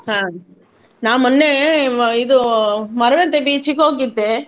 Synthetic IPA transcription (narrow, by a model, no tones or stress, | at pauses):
hãː | naːmʊnːeɪðɯmɐɾɐʋet̪ːebiːt͡ʃikːoːk̬it̪ːe